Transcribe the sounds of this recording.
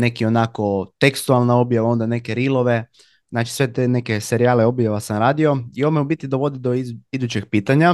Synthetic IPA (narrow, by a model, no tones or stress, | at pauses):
ne̞kio̞nako̞t̪e̞kst̪ualˠnao̞bjaʋao̞nd̪ane̞ke̞ɾilo̞ʋe̞ | znaːt͡ʃi̥sʋe̞t̪ene̞ke̞se̞ɾiaːle̞o̞bjaʋasamɾaːd̪io̞iomeubit̪id̪aʋo̞d̪id̪o̞id̪ut͡ɕeɡ̥piːt̪aɲa